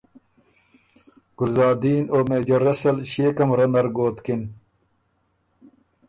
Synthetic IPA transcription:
ɡ̥uɾzaːd̪iːnoːmeːd͡ʑɐɾɐsɐlɕeːkɐmɾɐnɐɾɡoːt̪kin

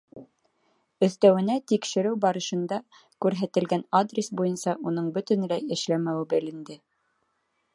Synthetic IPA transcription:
ɵ̆θt̪æwɘ̆næt̪ikʃɘ̆ɾɘwbɑɾɤ̆ʃɤ̆nd̪ɑ | kʉɾɦæt̪ɘ̆lɡænad̪rʲesbujɤnsɑʔunɤɴbɵ̆t̪ɘ̆nlæjɘ̆ʃlæmæwɘbɘ̆lɘ̆nd̪ɘ

